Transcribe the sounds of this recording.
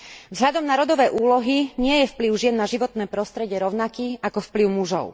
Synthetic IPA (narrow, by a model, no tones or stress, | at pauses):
vzɦʎad̪ɔmnaɾɔd̪ɔʋɛjʔuːlɔɦiɲɪɛjɛfpliʊʒɪɛnːaʒiʋɔt̪nɛːpɾɔst̪ɾɛɟɪɛɾɔʊnakiːakɔfpliʊmuʒɔ̰ʊ